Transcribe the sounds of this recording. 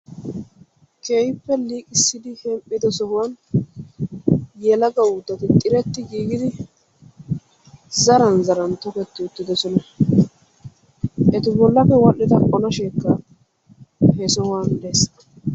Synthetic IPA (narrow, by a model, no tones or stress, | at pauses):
kʰeːjpːɛliːkʼɪsːɪd̪ɪhɛmpʼːɪd̪ɔsɔhʊwɐn | jɛlɐɡɐwʊd̪ːɐt̪ɪt̪ʼɪɾɛt̪ːɪɡiːɡɪd̪ɪ | zɐɾɐnzɐɾɐnt̪ɔkɛt̪ːɪʊt̪ːɪd̪ɔsɔnɐ | ʔɛt̪ɪbɔlːɐfɛwɐlːɪt̪ɐʔʼɔnɐʃeːkːɐ | hɛsɔhʊwand̪es